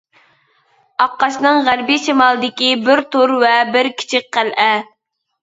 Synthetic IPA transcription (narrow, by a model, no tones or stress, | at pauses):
ɑqːɑʃnɨŋʁæɾbiʃimɑlˠɨd̪ɪkʲibɪɾt̪ʰoɾwɛbɪɾkʲʰi̥t͡ʃʰɪk̚ʲqælʔɛ